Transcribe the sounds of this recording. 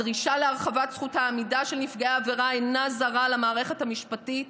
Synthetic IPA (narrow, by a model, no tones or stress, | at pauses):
ʁiʃaleaʁχavatsχuthaːmidaʃe̞lnifɡaaːveʁaenazaʁalamaːʁe̞χe̞thamiʃpatit